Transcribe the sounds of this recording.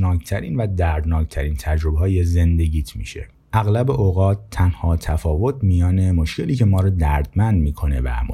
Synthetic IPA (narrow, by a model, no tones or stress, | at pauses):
nɒːkt̪ʰæɾiːnvæd̪æɾd̪nɒːct̪ʰæɾiːnt̪ʰæd͡ʒɾo̞beɦɒːjeze̞nd̪e̞ɟiːt̪ʰmḭːʃe̞̰ | ʔæɣlæbeʔoɣɒːt̪ʰːænhɒːt̪ʰæfɒːvo̞t̪ʰmijɒːne̞mo̞ʃcʰe̞liːcʰe̞mɒːɾɔd̪æɾd̪mænd̪miːkʰo̞ne̞væ̰m